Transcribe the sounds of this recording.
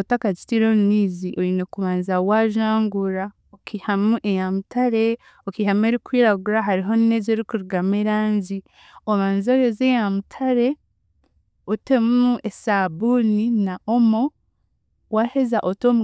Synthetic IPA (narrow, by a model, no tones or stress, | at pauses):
otakad͡ʒitiɾomniːziʔoɾinekuβaːnzawaʒaːŋɡuɾa | okihamuʔejamutaɾe | okihame̞ɾikwiːɾaɡuɾaɦaɾiɦoninezeɾikuɾuɡameɾaːɲzi | oβaːnzojozejamutʰaɾe̞ | otemuesabuninaʔomo̞ | wahezaʔotomu